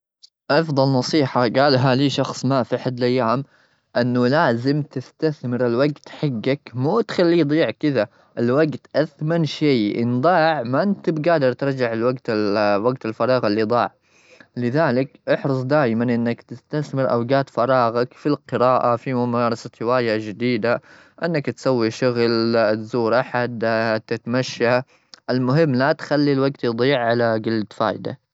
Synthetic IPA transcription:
ʔɑfðˤɑlnɑsˤiːħaɡaːlɦaliːʃɑxsˤmafiħad̪lʔajːaːm | ʔɪnːalaːzɪmt̪ɪst̪aθmɪɾɪlwaɡt̪ħaɡːakmuːt̪xalːiːd̪ˤiːʕkɪða | ʔɪlwaɡt̪ʔaθmanʃaːʔɪ̰nd̪ˤɑːʕmaʔɪnt̪ɪbɡaːd̪ɪɾˤt̪ɪɾˤd͡ʒaʕɪlwaɡt̪ɪwaɡt̪ɪlfɑɾˤɑːɣalːid̪ˤɑːʕ | lɪðaːlɪkʔɑħɾɨs̬ˤd̪aːjmanʔɪnːakt̪ɪst̪aθmɪɾʔawɡaːt̪fɑɾˤɑːɣakfilqɨɾɑːʔafimʊmɑːɾˤɑsat̪hɪwaːjad͡ʒɪd̪iːd̪a | ʔɪnːakt̪sawːiʃʊɣlt̪zuːɾʔaħad̪t̪ːɪt̪maʃːa | ʔɪlmʊɦɪmːlat̪xalːilwaɡt̪jd̪ˤiːʕʕalaɡɪlːat̪fa̰ːjd̪a̰

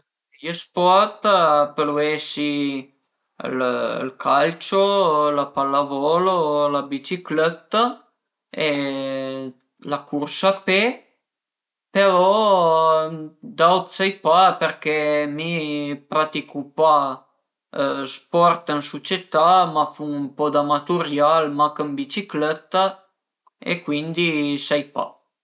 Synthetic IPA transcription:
jəspɔrt̪peluesi | l̰lkʰalt͡ʃolapalːavɔlolabit͡ʃiklɛt̪ːa | e | lakursape | peɾɔ | d̪awt̪sɛjpaperk̟ɛmipɾat̪ikupa | spɔrt̪ənsot͡ʃet̪amafuumpɔd̪amat̪uɾjalmakəmbit͡ʃiklɛt̪ːa | ḛkːwind̪isɛjpa̰

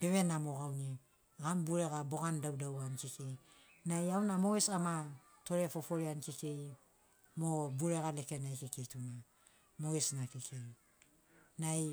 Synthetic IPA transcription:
beβenamoɣawni | ɡambuɾeɣabo̞ɡandawdawankekej | najawnamoesama | to̞ɾefofoɾeankekej | mobuɾeɣalekenajkekejtuna | moesnakekʰej | naj

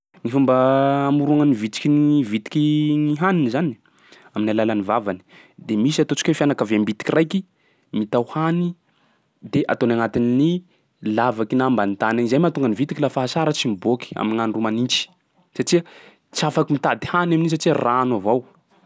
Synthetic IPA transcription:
ŋifumbəːmuɾuaŋənivit̪i̥kʲinvit̪i̥kiŋiɦaninizan | aminalalanivavani̥ | d̪emisiat̪ot͡ʃi̥kefjanakavembit̪i̥kʲirajki | mit̪awhani | d̪eʔat̪onaŋat̪inini | lavakinambant̪ananizajmat̪uŋɡənivit̪i̥kilafaɦasaɾət͡ʃimiboki̥a̰miŋanirumanint͡ʃi̥ | sat͡ʃiə | t͡siafakimit̪ad̪ihanaminis̬aʈ͡ʂiəraːnavaw

